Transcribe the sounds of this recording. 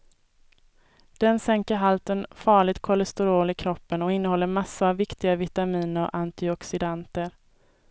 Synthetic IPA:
d̪̥ɛnsɛŋkəɾɦalt̪ənfɑːɭɪɡt̪̚kʰɔlɛst̪ɛɾoːlɪkʰɾɔpːənɔɪnːəhɔlːəɾmasːʊavːɪkt̪ɪɡavɪt̪amiːnəɔ̰ʔant̪ɪɔksɪd̪ant̪əɾ

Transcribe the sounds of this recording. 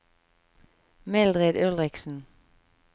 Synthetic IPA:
mɛld̪ʁed̪œlʁɪksn̩

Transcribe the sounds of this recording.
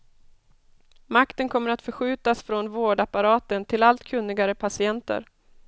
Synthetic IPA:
makt̪ənkʰɔmːəɾat̪fœɾɧʉ̟ːt̪asfɾɔnvoːɖapːaɾɑːt̪ənt̪ʰɪlalt̪kʰɵnːɪɡaɾəpʰasɪɛnt̪ə̰ɾ

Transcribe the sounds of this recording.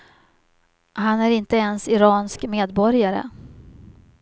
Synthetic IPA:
ɦanæɾɪnt̪əɛnsɪɾɑːnskmeːd̪bɔɾjaɾə̰

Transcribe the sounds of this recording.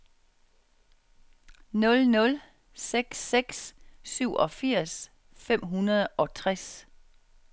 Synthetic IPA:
nɔ̽lnɔ̽l | seɡ̥seɡ̥sːyʊ̰ʔɒ̽fiɐ̰s | fem̰ɦunɐðˠɒ̽t͡sʰʁɛs

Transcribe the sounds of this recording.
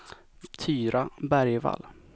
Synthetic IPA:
t̪ʰyːɾabæɾjva̰l

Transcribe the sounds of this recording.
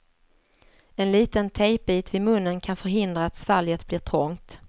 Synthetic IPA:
ɛnliːt̪ənt̪ʰɛjp̚biːt̪vɪmɵnːənkʰanfœɾɦɪnd̪ɾaːt̪svaljət̪blɪʈʰɾɔŋt̪

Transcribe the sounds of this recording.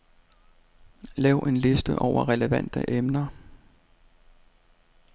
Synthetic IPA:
lɛʊʔe̝nle̝sd̥əʔɒʊɐʁɛləʋæn̰d̥ə̰ʔemnɐ

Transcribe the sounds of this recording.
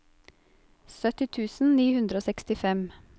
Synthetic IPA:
sœt̪ɪt̪ʰʉːsn̩niːhʉnd̪ɾəoːsɛkst̪ɪfɛm

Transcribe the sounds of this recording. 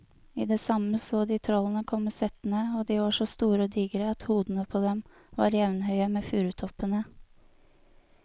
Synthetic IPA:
iːd̪ɛːsɑməsoːd̪iːt̪ʰɾɔlən̩əkʰɔməsɛt̪nəoːd̪iːʋɑːʂɔst̪uːɾəoːd̪iːɡəɾəɑt̪huːd̪n̩əpʰoːd̪ɛm | ʋɑ̰ːɾjɛʋnhœʏəmeːfʉːɾʉt̪ʰɔpənə

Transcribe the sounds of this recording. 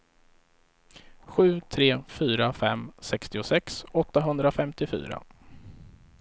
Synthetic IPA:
ɧʉ̟ːt̪ʰɾeːfyːɾafɛmːsɛkst̪ɪʊsɛksɔt̪ːaɦɵnd̪ɾafɛmt̪ɪfy̰ːɾa̰

